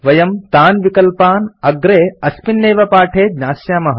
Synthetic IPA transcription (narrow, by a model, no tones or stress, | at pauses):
ʋɐjɐmt̪aːnʋikɐlpaːnɐɡɾeːɐspinːeːʋɐpaːʈʰeːd̪ɲaːsjaːmɐɦɐ̰